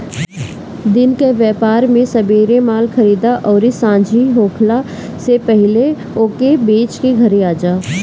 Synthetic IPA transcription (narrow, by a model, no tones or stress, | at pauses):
d̪ɪnkeʋjɛːpaːɾmẽsɐbeːɾemaːlxɐɾiːd̪aʔɔːɾɪsãːd͡ʒʱiɦoːkʰla | sepɛɦɪle | oːkebeːt͡ʃkiɡʱɐɾeaːd͡ʒaː